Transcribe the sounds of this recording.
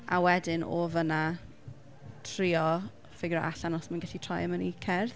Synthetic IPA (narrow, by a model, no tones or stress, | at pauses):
a̰wɛdɪnʔo̰ːvəna | tʰriːɔ | fɪɡɾɔ̰ʔa̰ɬanɔsmanɡaɬitʰrɔjəmənikʰɛrθ